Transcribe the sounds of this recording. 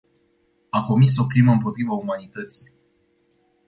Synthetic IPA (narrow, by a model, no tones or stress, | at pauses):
ako̞miso̞kliməɨmpo̞t̪ɾivaumanit̪ət̪si̥